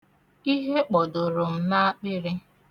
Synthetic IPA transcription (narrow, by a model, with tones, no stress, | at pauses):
i˦ɦe˦k͡pɔ˨dʊ˨ɾʊ˨m̩˦na˦a˦k͡pɪ˦ɾɪ˦